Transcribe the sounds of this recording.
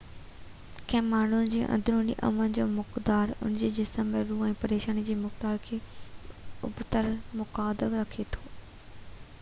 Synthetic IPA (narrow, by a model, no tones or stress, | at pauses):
kʰɛ̃ːmmːaːɳ̤ʊnɪ̆d͡ʑĩːʔɐ̰̃nd̪ɾũnḭːʔɐ̰mənɪ̆d͡ʑoːmʊkd̪aːɾʊ̰nd͡ʑeːd͡ʑɪsəmːeɾuːɛ̃ːpɐɾeːʃaːnid͡ʑeːmʊkd̪aːɾkʰeː | ʊ̰bt̪əɾmʊkaːd̪əlɾɐkʰet̪ʰo̥ː